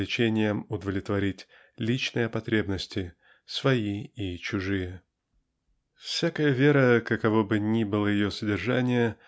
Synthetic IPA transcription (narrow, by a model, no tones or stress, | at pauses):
lʲɪt͡ɕenʲɪjəmʊd̪əvlʲɪt̪vɐɾʲitʲ | lʲit͡ɕnɨjəpɐt̪ɾʲe̞bnəsʲtʲɪ | svɐiit͡ɕʊʐɨjə | fsʲakəjəvʲe̞ɾəkəkɐvobɨnʲibɨlˠəjɪjosədʲɪrʐanʲɪjə